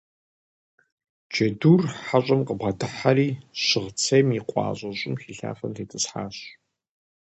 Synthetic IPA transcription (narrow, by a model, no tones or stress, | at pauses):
t͡ʃʰɐduːrħaɕʼɐmqəbʁɐdɨħaɾiːɕɪʁt͡sʰejmiqʷʼɑ̰ːɕʼɐɕʼɪmxiːɬa̰ːfɐntʰeːtʰʼɨsħa̰ːɕ